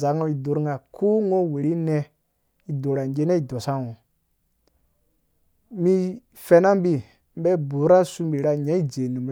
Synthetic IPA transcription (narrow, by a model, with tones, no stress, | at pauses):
za˨˦ŋo˦i˨do˨ɾŋa˨kʰu˦ŋo˦we˨ɾi˦nɛ˦ | i˨do˨ɾa˨ŋɡe˦ne˦i˨do˨sa˦ŋo˨ | mi˦ | fe˨na˦mbi˨ | m˦bɛ˦˨bu˨˦ɾa˦su˦mbi˨ɾa˦ɲa˨˦i˦d͡ʒe˨ni˨m˨